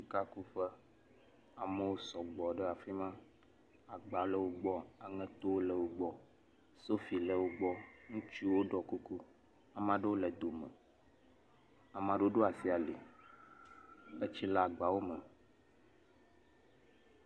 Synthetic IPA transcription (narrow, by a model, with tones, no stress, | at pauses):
si˨ka˦ku˦ɸə˦ | a˨mə̃˨wo˦sɔ˨ɡ͡bɔ˨ɖə˦a˨fi˦mã˦ | a˨ɡ͡ba˨lə˦wo˦ɡ͡bɔ˦a˨ŋə̃˦t̪o˦wo˦lə˨wo˦ɡ͡bɔ˦ | so˦fi˨lə˨wo˦ɡ͡bɔ˦ŋũ˦t͡ʃi˦wo˦ɖɔ˨ku˦ku˦ | a˨mã˦ɖə˦wo˦lə˨d̪o˨mə̃˨ | a˨mã˨ɖe˦wo˦ɖo˦a˨si˦a˨li˨ | ə˦t͡ɕi˦la˦˨ɡ͡ba˨wo˦mə˨